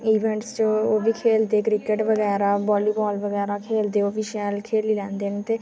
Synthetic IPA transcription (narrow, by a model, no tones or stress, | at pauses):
iːʋɛ̃ːɳʈst͡ʃooːʋiːkʰeːld̪eːkɾɪkəʈʋəɡɛːɾaːbɔːliːbɔːlʋəɡɛːɾaːkʰeːld̪eːoːʋiːʃɛːlkʰeːliːlɛ̃ːnd̪eːnet̪eː